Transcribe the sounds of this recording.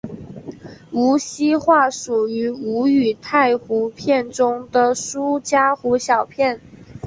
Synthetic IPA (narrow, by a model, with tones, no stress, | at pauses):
u˧˥ɕi˥xwa˥˩ʂu˨˩y˧˥u˧˥y˨˩t̪ʰa˥˩ɪxu˧˥pʰjɛ˥˩nʈ͡ʂʊ˥ŋd̪ə˨ʂu˥t͡ɕja˥xu˧˥ɕjɑ˨˩ʊpʰjɛ˥˩n